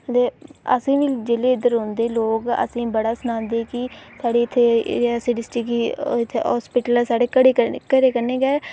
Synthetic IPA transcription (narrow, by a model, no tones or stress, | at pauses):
t̪eːə̰sĩːʋĩːd͡ʒeleːɪd̪əɾɦõnd̪eːloːɡə̰sĩːbəɽaːsənãːnd̪eːkisaːɽeːɪt̪ʰːeːsiːɖɪsʈɪkiɪt̪ʰːḛɦɔ̰ːspɪʈəlːsaːɽeːkəɽekəkəɾeːkəɾneːɡɛː